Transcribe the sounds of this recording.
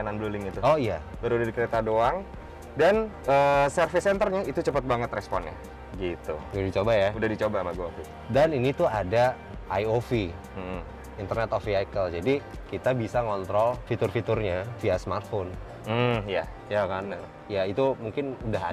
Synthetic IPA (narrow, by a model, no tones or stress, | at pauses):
ananbəlulɪŋit̪uoijabəɾudadikəɾet̪adoaŋ | dan | əsərfɪsɛnt̪ərɲait̪ut͡ʃəpət̪̚baŋət̪rɛspɔnɲa̰ | ɡit̪ṵudadit͡ʃobajaudahdit͡ʃobamaɡuakit̪ | daninit̪uada | ʔajofi | m̩ | int̪ərnɛt̪ofiajkəld͡ʒadi | kit̪abisaŋɔnt̪ɾɔlfit̪ʊrfit̪ʊrɲafiasmart̪̚fon̩ | ja | jakana | jait̪umuŋkɪnudaɦa